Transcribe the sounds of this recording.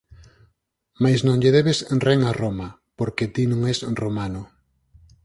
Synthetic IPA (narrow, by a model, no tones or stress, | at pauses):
majsnõŋʎeðeβesreŋaromɐ | poɾket̪inõŋɛsromanʊ